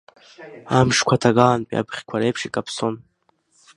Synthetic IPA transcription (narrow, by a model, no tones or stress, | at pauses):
amʂkʷʰatʰaɡanpʼḭa̰bχʲkʷʰaɾejpʰʂikʼapʰson